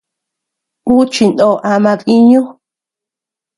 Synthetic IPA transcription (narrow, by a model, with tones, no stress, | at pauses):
bu˦t͡ʃi˨n˨o˨ʔa˧mã˧ði˦ɲõ˦